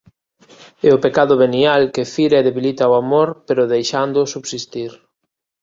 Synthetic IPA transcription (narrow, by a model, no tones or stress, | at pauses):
ɛʊpekaðʊβenialkɪfiɾaeðeβilit̪aoamoɾpeɾʊðejʃand̪ʊsuβsist̪iɾ